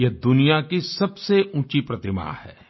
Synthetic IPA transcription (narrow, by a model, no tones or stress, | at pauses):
jɐd̪ʊnijakisɐbseʔũːt͡ʃipɾɐt̪ɪma̰ːhɛ̰ː